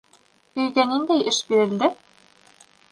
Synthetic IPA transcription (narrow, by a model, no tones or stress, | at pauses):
ɵjt̪ɛnɘnd̪æjʔɘʃbiɾɘ̆ld̪ɘ